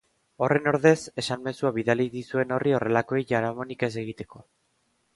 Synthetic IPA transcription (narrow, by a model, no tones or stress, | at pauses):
o̞re̞no̞ɾðe̞se̞sanme̞suaβiðaliðisue̞no̞rio̞re̞lako̞ejʝaɾamo̞nike̞s̬e̞ɣ̞it̪e̞ko̞